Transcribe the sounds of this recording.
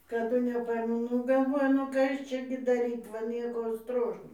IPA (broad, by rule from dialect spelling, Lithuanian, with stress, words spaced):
kɐˈdʊ nʲɛˈpɐɪmʊ ˈnʊ ɡɐlˠˈʋoːjʊ nʊ ˈkɐs ˈt͡ʃʲɛ ɡʲɪ dɐˈrʲiːt ʋɐ ˈnʲiɛkoː ˈstroːʃnoː